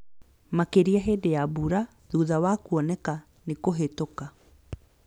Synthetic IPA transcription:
makeɾiaɦeːdejabuɾa | ðuːðawakuɔnɛka | nekoɦetoka

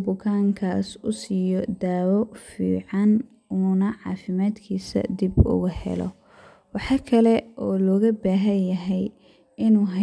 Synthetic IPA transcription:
bʊkʰaːŋkʰaːsʊsijɔd̪aːwɔfḭːʕɑn | uːnɐʕɑ̰ːfɪmaːd̪kʰiːsɐ̰d̪ibʊ̰ɣʊhɛ̰lɔ̰ | wɑħɑːkʰɐlɛʔɔːlɔːɣɐbaːɦɐjjɐɦɛj | ɪnuːɦɐ

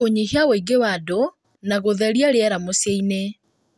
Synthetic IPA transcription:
oɲihiawoiɡewado | naɣoðɛɾjaɾeɛɾamoseine

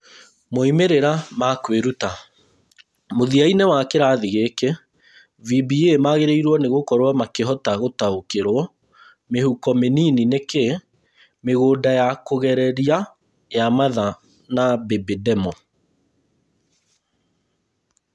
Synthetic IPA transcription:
moimeɾeɾamakweɾuta | moðiainɛwakeɾaðiɣekɛ | vibiemaɣeɾeiɾwɔneɣokɔɾwamakeɦɔtaɣotaokeɾwɔ | mehukɔmeninineke | meɣoːdajakoɣɛɾɛɾia | jamaða | nabebedɛmɔ

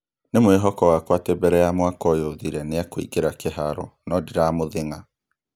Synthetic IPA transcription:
nemoeɦɔkɔwakwatebɛɾɛjamwakɔjoðiɾɛneakoḭkeɾakeɦaɾɔnɔdiɾamoðeŋa

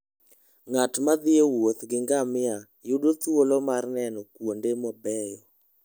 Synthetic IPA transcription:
ŋatmad̪ɪewot̪ɡɪŋɡamɪa | judot̪wolɔmarnɛnɔkwondemɔbɛjɔ

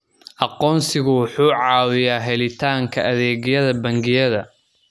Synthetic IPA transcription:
ʔɑqɔːnsɪɣʊwʊħuːʕɑːwɪjaːɦɛlɪt̪ʰaːŋkʰɐʔɐðɛːɣjɐðɐbɐŋɡɪjɐðɐ̰

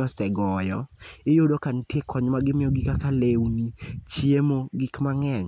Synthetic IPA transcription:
ɔsɛɡɔjɔɪjodokantjekʰɔɲmaɡɪmɪjɔɡikakalewnit͡ʃjemoɡikmaŋɛɲ

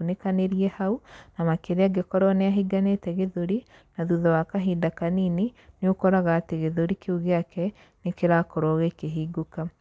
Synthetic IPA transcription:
unekaneɾiɛhaunamakeɾeaɡekɔɾɔneaɦiɡanetɛɣeðoɾi | naðuðɔwakaɦiːndakanini | neokɔɾaɣaːteɣeðoɾikeuɣeakɛ | nekeɾaːkɔɾɔɣekeɦiːɡuka

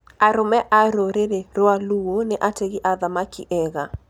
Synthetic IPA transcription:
aɾomɛʔaɾoɾeɾeɾoaluoneʔateɣiʔaðamakḭʔɛɣa

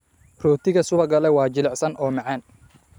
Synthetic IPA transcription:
rɔːt̪ʰɪɣɐsʊβɐɡɐlɛwɑːt͡ʃɪlɛʕsɐnʔɔːmɑʕɑːn

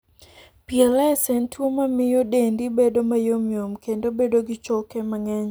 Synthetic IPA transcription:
pielɛɛsɛntʰwomamɪjodendibedomajomjomkʰendobedoɡɪt͡ʃokɛmaŋɛɲ

